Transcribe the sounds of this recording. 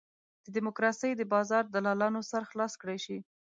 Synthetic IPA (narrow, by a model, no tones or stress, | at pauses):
d̪̥əd̪ɪmokɾɑsəjd̪əbɑzɑɾd̪əlɑlɑnosaɾxlɑskɽajʃi